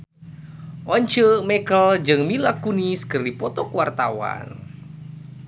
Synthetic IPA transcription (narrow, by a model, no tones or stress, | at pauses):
ʔɔɲt͡ʃəmɛkəld͡ʒɨŋmilakuniskɨrdipɔt̪ɔkuwart̪awa̰n